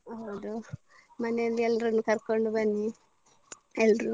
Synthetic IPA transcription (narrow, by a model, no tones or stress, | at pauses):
ɐʋd̪u | mɐnelːielɾunːukɐɾkoɳɖubɐnːi | elɾu